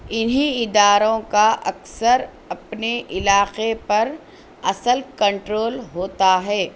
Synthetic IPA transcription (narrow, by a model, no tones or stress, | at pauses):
ɪnɦĩɪd̪aːɾõkaʔɐksəɾ | ɐpneʔɪlaːqepɐɾ | ɐsəlkɐ̃ɳʈɾoːlɦoːt̪aɦɛː